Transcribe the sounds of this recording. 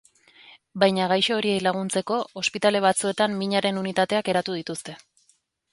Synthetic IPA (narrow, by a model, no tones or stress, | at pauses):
bajɲaɣajʃoːɾie̞jlaɣ̞unt͡se̞ko̞ospit̪ale̞β̞at͡sue̞t̪amːiɲaɾe̞nunit̪at̪e̞ake̞ɾat̪uð̞it̪ust̪e̞